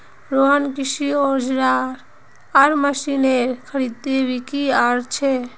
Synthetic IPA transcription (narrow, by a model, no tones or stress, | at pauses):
ɾoənkiʃioɾd͡ʒɾaɾ | aɾməsineɾkʰəɾid̪̚t̪ebikiaɾt͡ʃʰe